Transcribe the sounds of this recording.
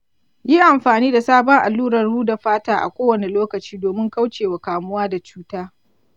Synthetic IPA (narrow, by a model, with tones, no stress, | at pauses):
ji˦ʔa˨mɸaː˨niː˦da˨saː˦bɔ˦ŋʔa̰˨lːuː˦ɾɐ˨rːuː˦da˨ɸaː˦taː˦ʔa̰˨kʷoː˦wɐ˨ne˨loː˦kɐ˨t͡ʃiː˦doː˨mɪ˦ŋka˦wt͡ʃeː˨wa˨kaː˨mʊ˦waː˦da˨t͡ʃuː˦taː˦